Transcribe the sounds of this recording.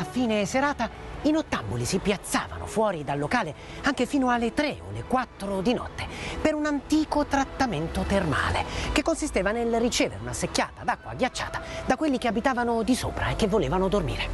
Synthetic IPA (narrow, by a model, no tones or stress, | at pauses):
afiːneseɾaːt̪a | inot̪ːambolisipjat̪sːa̰ːva̰no̰fwɔːɾid̪alːokaːle | aŋk̟efiːnoalːet̪ɾeo̰lekwat̪ːɾod̪inɔ̰t̪ːe̥peɾunant̪iːkot̪ɾat̪ːament̪ot̪erma̰ːlḛkekːonsist̪eːvanelrit͡ʃɛːvḛɾḛunasekːa̰ːt̪ad̪akːwa̰ːɡjat͡ʃːa̰ːt̪ḁd̪akwelːikeabit̪aːvanod̪iso̰ːpɾa̰ekːevːoleːvanod̪ormḭːɾe